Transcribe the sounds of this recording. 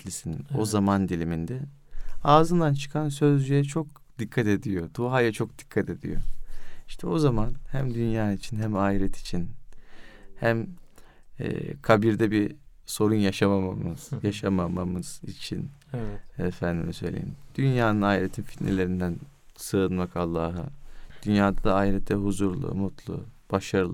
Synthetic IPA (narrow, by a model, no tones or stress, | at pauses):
t̪ʰlʲisino̞zamand̪ilʲimind̪ɛ | aːzɯnd̪ant͡ʃʰɯ̥kʰansø̞zd͡ʒyjɛt͡ʃʰo̞k̚ | d̪̥ikʰːat̪e̞d̪ijo̞d̪̥uɦajat͡ʃʰo̞k̚d̪̥i̥kʰːat̪ʰe̞d̪ḭjo̰iʃt̪ʰɛo̞zamanhæmd̪ynjaːnit͡ʃʰinɦæmaːiɾɛt̪ʰi̥t͡ʃʰin | hæm | ɛ̰ːkʰabiɾd̪ɛbiso̞ɾunjaʃamamamɯz̥jaʃamamamɯz̥ḭt͡ʃʰḭn | ɛfænd̪imsø̞jlʲḛjḭmd̪̥ynjaːnɯnaːiɾet̪ʰinfi̥t̪nḛlʲe̞ɾind̪æn | sɯːɯnmakalˠːaːɦɯ̰d̪̥ynjaːd̪ad̪aːiɾɛt̪ʰːɛɦuzuɾlˠṵmut̪lˠṵb̥aʃaɾɯlˠ